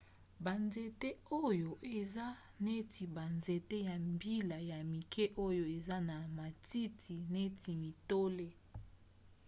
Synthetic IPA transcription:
ba˨nze˨te˦o˦jo˨ʔe˨za˦ | ne˦tʰi˨ba˨nze˨te˦ja˨mbi˦la˨ja˨mi˨kʰɛ˦ʔo˦jo˨e˨za˦na˨ma˨ti˦tʰi˨ne˦tʰi˨mi˨to˦le˦

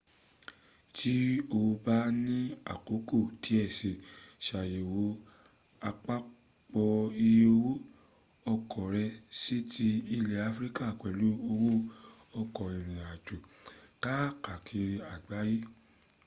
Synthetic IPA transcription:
tʰi˦o˧ba˦nĩ˦a̰˨ko˨˦ko˦˨tʰi˨˦ɛ˦˨se˨ʃa˨je˨wo˨˦ | a˧k͡pa˦ | k͡pɔ˧i˧jo˧wo˦ | ɔ˧kʰɔ˨ɾɛ˧si˦tʰi˧˦i˧lɛ˧a˧fɾi˦ka˦˨kɛ˨lu˨˦o˧wo˦ɔ˧kɔ˨i˨ɾ̃ĩ˨a˨d͡ʒo˨ka˦ka˨kʰi˧ɾa˨ɡ͡ba˨˦ji˦

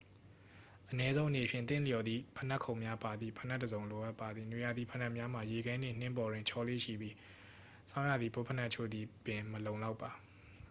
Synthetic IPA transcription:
ʔənɛ˦zõ˦ʔə˨ne˨pʰjɪ̰̃˦˨t̪θɪ̰̃˦˨ljɔ˨d̪ðḭ˦˨pʰə˨na˦ʔkʰːõ˨ʊ̃mja˦pa˨d̪ðḭ˦˨pʰə˨na˦tːə˨zõ˨ʊ̃lo˨ʔa˦pːa˨d̪ði˨nwe˨ja˨d̪ḭ˦˨pʰə˨na˦ʔmja˦m̥a˨je˨ɡã˦nɪ̰̃˦˨n̥ɪ̃˦mpɔ˨ɾwɪ̃˨ɲt͡ɕʰɔ˦lḛ˦˨ʃḭ˦˨bji˦ | sã˦ʊ̃ja˦˨d̪ði˨bo˦pʰə˦˨na˦ʔt͡ɕʰo̰˦˨d̪ði˨bɪ̃˨məlõ˨ʊ̃la˦ʊpːa˨

